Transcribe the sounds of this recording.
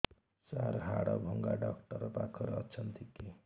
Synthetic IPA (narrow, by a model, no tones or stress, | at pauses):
saɾɦaɽʌbʱʌŋɡaɖʌkʈʌɾpakʰːʌɾʌt͡sʰʌnt̪ike